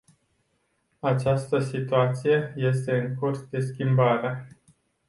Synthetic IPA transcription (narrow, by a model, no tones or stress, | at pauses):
at͡ʃast̪əsit̪uat̪sije̞je̞s̬t̪e̞ɨŋkursd̪e̞skʲimbaɾea